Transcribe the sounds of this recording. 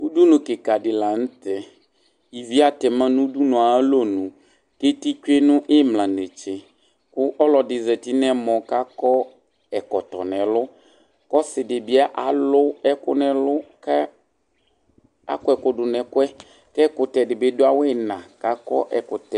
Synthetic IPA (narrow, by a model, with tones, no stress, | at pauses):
u˦du˦nʊ̃˨kɪ˨ka˨dɪ˨la˨n̩˦tɛ˦ | i˨vi˦a˨tɛ˨mã˦nʊ̃˦du˦nʊ̃˨a˨˦lo˦nʊ̃˨ | ke˦ti˦t͡ʃᶣe˦nʊ̃˦ʔɪ˦mlã˨ne˨t͡ʃɪ˨ | kʊ˦ʔɔ˦lɔ˨dɪ˨zɛ˨tɪ˦nɛ˦mɔ̃˨ka˦kɔ˦ | ɛ˨kɔ˨tɔ̰˨nɛ̃˨lʊ˦ | kɔ˦sɪ˨dɪ˨bɪ˦a˦ʔa˨lʊ˦ɛ˦kʊ̰˦nɛ̃˨lʊ˦kɛ˦ | a̰˨kʊ˦ɛ˨kʊ˦dʊ˨nɛ˨kʊ˦ɛ˦ | kɛ˦kʊ˨tɛ˨dɪ˨bɪ˦dʊ˦a˦wɪ˦nã˨ka˦kɔ̰˦ʔɛ˨kʊ˨tɛ˨